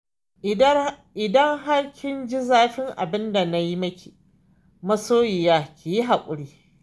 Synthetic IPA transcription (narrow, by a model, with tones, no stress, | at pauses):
ʔɪ˨dɐ˦ŋɦa˦ɽkʲʰɪ˦nd͡ʒi˦zaː˦ɸɪ˦ŋʔa̰˨bɪ˦nda˨na˦ji˦mɐ˦kʲiː˨ | mɐ˦soː˦jɪ˨jaː˦kʲʰeː˨ji˦ɦa˨kʷʼʊ˦ɽiː˦